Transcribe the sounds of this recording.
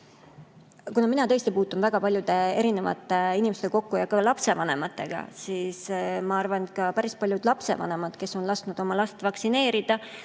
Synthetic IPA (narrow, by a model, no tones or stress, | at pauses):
kunɑminɑt̪ɤ̞est̪ipuːt̪ːˑunvæɡ̥ɑpɑlʲjud̪e̞e̞ɾine̞vɑ̰t̪ːˑeinimest̪e̞ko̞kːujɑkɑlɑpse̞vɑne̞̰mɑt̪ˑːe̞ɡ̥ɑ̰siːsmɑɑrvɑnkɑpæɾispɑljud̪̥lɑpse̞̰vɑ̰ne̞mɑd̪̥ke̞sːo̞nlɑst̪nud̪̥o̞mɑlɑst̪vɑksine̞ːɾid̪̥ɑ